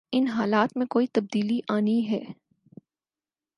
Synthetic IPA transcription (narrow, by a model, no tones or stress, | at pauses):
ɪnɦaːlaːt̪mẽkoːit̪ɐb̚d̪iːliʔaːniɦɛː